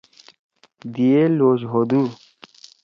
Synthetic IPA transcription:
d̪ieloːɕɦod̪u

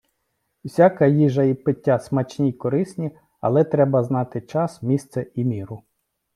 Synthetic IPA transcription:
ʊsʲakɐjiʒɐipɪtʲːasmɐt͡ʃnʲikɔɾɪsʲnʲi | ɐ̰lˠɛt̪ɾɛbɐznɑt̪ɪt͡ʃɑsmʲist̪sɛimʲiɾʊ

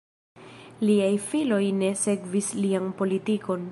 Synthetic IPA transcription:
liajfilo̞jne̞se̞kvislianpo̞litiko̞n

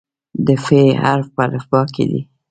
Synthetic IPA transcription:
d̪əfehaɾfpalafbɑkḛd̪ḭ

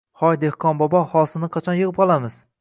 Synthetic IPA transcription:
hɒjd̪ehkʰɒnbɒbɒhɒlˠsɪnɪqʰɑt͡ʃʰɒnjɨʁɨp̚qʰɒlˠamɪz̥

